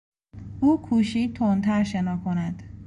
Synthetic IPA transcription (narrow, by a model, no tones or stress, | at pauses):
uːkʰuːʃiːt̪ʰont̪ʰæɾʃenɒːkʰonæd̪̥